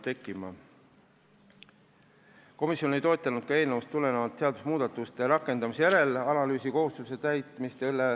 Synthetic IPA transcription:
t̪e̞kːˑimɑ | ko̞misːjo̞ne̞jt̪o̞ːt̪ːˑɑnud̪̥kɑe̞ːlnevust̪ːule̞nevɑt̪ːse̞ɑd̪usmuːd̪̥ɑt̪ːˑust̪e̞ɾɑkːˑe̞nd̪̥ɑmisejæɾe̞lɑlɑlyːsiko̞hust̪use̞t̪æjt̪ˑmist̪elːe

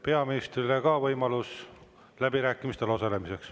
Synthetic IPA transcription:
pe̞ɑminist̪rilekɑvɤjmɑlus | læbiɾæːkːˑimist̪e̞lo̞sɑle̞mise̞ks

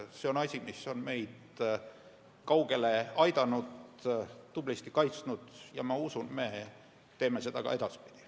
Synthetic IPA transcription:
se̞o̞nɑsʲimisːo̞nme̞jd̪̥ | kɑwɡe̞le̞ɑjd̪̥ɑnud̪ː | ub̥list̪ikɑjt̪snud̪̥jɑ̰mɑusunme̞ | t̪e̞ːme̞sed̪ɑkɑ̰e̞d̪̥ɑspi̥d̪̥i̥

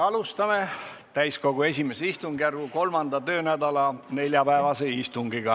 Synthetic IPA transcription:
ɑlust̪ɑme̞ | t̪æjsko̞ɡ̥ue̞sʲimeseist̪uŋɡjærɡuko̞lmɑnd̪̥ɑt̪ø̞ːnæd̪ɑlɑne̞lʲjɑpæevɑseist̪uŋɡiɡ̥ɑ

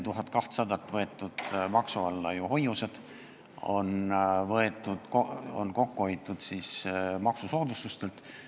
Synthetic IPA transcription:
t̪uɦɑt̪ˑkɑht̪sɑd̪̥ɑt̪ːˑvɤe̞t̪ːˑud̪̥mɑksuɑlːɑjuho̞jused̪̥ | o̞̰nvɤe̞t̪ːˑud̪̥ko̰nko̞kːuejt̪ːˑud̪̥siːsmɑksuso̞ːd̪ust̪ust̪e̞lt̪

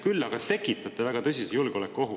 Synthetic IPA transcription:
kylːɑɡɑt̪e̞kːˑit̪ːˑɑt̪ːˑevæɡ̥ɑt̪ɤs̬ʲisejulɡ̥eo̞lekːˑuo̞ɦu

